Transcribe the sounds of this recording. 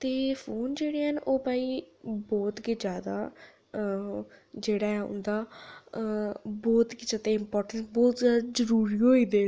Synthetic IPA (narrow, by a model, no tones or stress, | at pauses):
t̪eːfʰoːnd͡ʒeːɽiːɦənʔoːpaːiːbɔːt̪kɪd͡ʒjaːd̪a̰ː | d͡ʒeːɽaːɛːʊ̰nd̪aː | bɔːt̪kɪt͡ʃət̪eːɪmpɔːɾʈənsbɔːt̪zjaːd̪aːzəɾuːɾiːɦoːiːd̪eː